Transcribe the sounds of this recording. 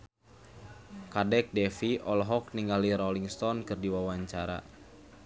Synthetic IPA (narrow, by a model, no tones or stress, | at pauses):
kadɛk̚dɛfiɔlɦɔk̚niŋɡaliɾɔliŋst̪ɔnkɨrdiwawaɲt͡ʃaɾa̰